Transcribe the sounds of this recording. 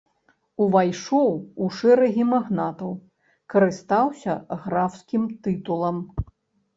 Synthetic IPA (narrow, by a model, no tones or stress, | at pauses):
uvajʂɔwuʂɛɾɐɣʲimaɣnat̪ɐw | kɐɾɨst̪awsʲɐɣɾawskʲimt̪ɨt̪ulˠɐm